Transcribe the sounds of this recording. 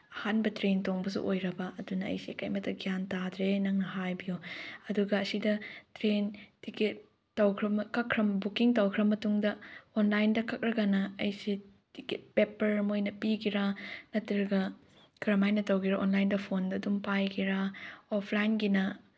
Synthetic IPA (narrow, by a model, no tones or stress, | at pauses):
ɐhanbɐtɾentoŋbɐsṵʔojɾɐbɐɐdunɐɐ̰jsiḛka̰jmɐtːɐɡijantadɾenɐŋnɐhajbijuɐduɡɐːsidɐtɾentiket̚ː | ɐwkʰɾɐmkɐkʰːɾɐmbukiŋtɐwkʰɾɐmːɐtuŋdɐonlajndɐkʰɐk̚ɾɐɡanɐɐjsi | tiket̚pepɐɾmojnɐpikiɾanɐtiɾɐɡɐ | kɐɾɐmajnɐtɐwɡiɾaʔonlajndɐpʰondɐːdumpajkiɾaopʰlajnɡinɐ